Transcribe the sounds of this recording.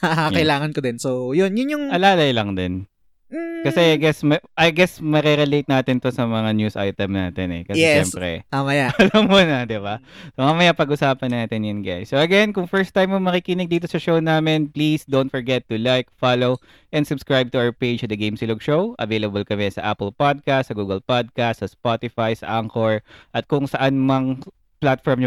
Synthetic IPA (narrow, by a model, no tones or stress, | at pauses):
akɐʔɪlaːŋɐnkod̪ɪnsojʊnjʊnjʊŋɐlaːlɐjlɐŋd̪ɛn | kɐsɛʔajɡɛsmɐʔɐjɡɛsmɐɾɛɾɛlejt̪̚naːt̪ɪnt̪o̞sɐmɐŋanjusʔa̰jt̪ɛmna̰ːt̪ɛnɛ̰kɐsɛɛʃɛmpɾɛ̰amɐjaɐlɐmːuːnɐd̪ɪbasomɐamɐjapɐɡʔʊsaːpɐnːaːt̪ɪnjɐnɡajsːoɐɡɛnkʊŋfɛɹst̪ːajmːʊŋmɐkikɪnɪɡ̚d̪iːt̪̬osɐʃownaːmɪnplisd̪ownt̪̚fɔɹɡɛt̪ːʊlajkfalow | ʔɛ̃nd̪sʊbskɹajb̚t̪ʊawɐɹpejd͡ʒt̪ud̪ɐɡejmsɪlʊɡʃowʔɐ̰vejlɐbɐlkɐmɛsɐ̰ʔapɛlpad̪̚kast̪sɐɡuːɡɐlpad̪̚kast̪sɐspat̪ɪfajsɐʔaŋkoɹʔɐt̪̚kʊŋsɐʔanmɐŋ | plat̪fɔɹm